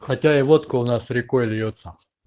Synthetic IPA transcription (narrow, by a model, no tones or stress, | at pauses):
xɐtʲaivot̪koʊnasɾʲɪkojlʲjot̪sɐ